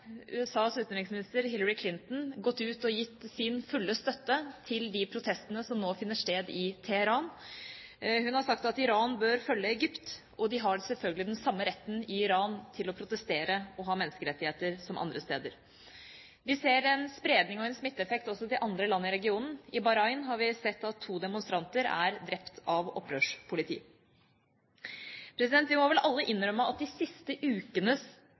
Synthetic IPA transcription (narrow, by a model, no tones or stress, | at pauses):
ʉ̰ːɛsɑːsʉːt̪nɾɪŋsmɪnɪst̪əɾɦɪlːəɾɪkʰlɪnt̪n̩ɡɔt̪ːʉːt̪ɔjɪt̪ːsɪnfʉlːəst̪œt̪ːət̪ʰɪld̪ɪpʰɾʊt̪ʰɛst̪ənəsɔmnoːfɪnːəʂʈeːd̪ɪt̪ʰɛhəɾɑːn | hʉnhɑɾʂɑkt̪ɑt̪ɪɾɑːnbøːɾfœlːəɛɡʏpt̪ | ʔɔd̪ɪɦɑsɛlfœlɡəlɪd̪ɛnsɑmːəɾɛt̪ːn̩ɪɪɾɑːnt̪ʰɪlɔpʰɾʊt̪əst̪eːɾəɔɦɑːmɛnːəskəɾɛt̪ːɪheːt̪əɾsɔmʔɑ̰nd̪ɾəst̪ḛːd̪əɾ | ʋɪseːɾɛnspɾeːd̪nɪŋɔɛnsmɪt̪ːəɛfɛk̚t̪ɔsːɔt̪ɪʔɑnd̪ɾəlɑnːəɪɾɛɡɪuːnn̩ɪbɑɾɑɪnɦɑɾʋɪsɛt̪ːɑt̪ʰːuːd̪ɛmʊnst̪ɾɑnt̪əɾæ̰ɾd̪ɾɛpt̪ʰɑʋɔ̰pːɾøːʂpʰʊlɪt̪ʰḭː | pʰɾɛsɪd̪ɛnt̪ʋɪmɔʋɛlʔɑlːəʔɪnɾœməɑt̪̚d̪ɪsɪst̪əʔʉːkənə